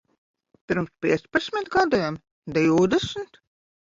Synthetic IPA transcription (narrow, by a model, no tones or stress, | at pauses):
pʲiɾmspʲiɛt̪sʲpasʲmʲit̪ɡad̪ujɛm | d̪ɛjud̪esnt̪